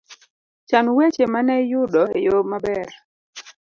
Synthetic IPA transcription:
t͡ʃanwet͡ʃemanɛjʊdɔejomabɛɾ

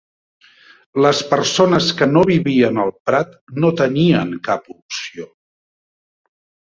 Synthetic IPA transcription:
ləspəɾsonəskənoβiβiənəlˠpɾat̪not̪əniəŋkapupsio

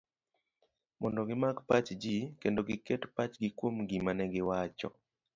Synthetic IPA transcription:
mɔndɔɡɪmakpat͡ʃd͡ʒikendoɡɪkɛtpat͡ʃɡɪkwomɡimanɛɡɪwat͡ʃɔ̰

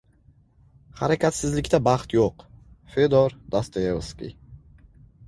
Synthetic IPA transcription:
haɾakʲat̪sɪzlɪkʲt̪abɑχt̪joqfed̪oɾd̪̥ast̪ajevskʲḭ

